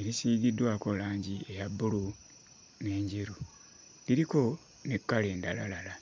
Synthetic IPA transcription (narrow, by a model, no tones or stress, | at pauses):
eɾisiːɡidwaːko̞laːɲɟiejabːulu | ne̞ːɲɟeɾu | liɾiko̞ | nekːale̞ːndalalala